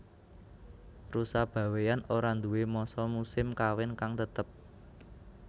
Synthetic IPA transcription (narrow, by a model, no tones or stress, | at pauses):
rusab̥ä̤wejanoɾand̪uwemɔsɔmusɪmkawɪnkaŋt̪ət̪əp̚